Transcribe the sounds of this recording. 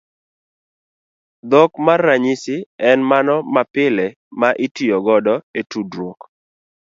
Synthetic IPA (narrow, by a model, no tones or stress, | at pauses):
d̪ɔkmarːaɲisɪɛnmanɔmapɪlɛ | maʔɪtijɔɡɔdɔetudɾwok